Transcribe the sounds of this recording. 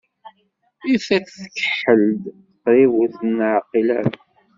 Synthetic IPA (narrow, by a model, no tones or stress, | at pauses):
iθæt͡sθə̥kə̥ħəld̪ | qɾiwuθənʕqːilæɾ